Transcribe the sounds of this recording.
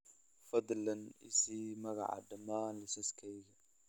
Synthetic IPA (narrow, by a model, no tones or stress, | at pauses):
fɐd̪lɐnɪsiːmɐɣɑ̰ʕɑ̰ɖɐmaːnlɪsɐskʰɛjɣɐ